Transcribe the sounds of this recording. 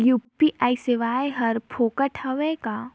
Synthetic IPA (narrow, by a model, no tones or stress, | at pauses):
juːpiʔaːisɪʋaːeɦɐɾpʰoːkəʈʰɐʋekaː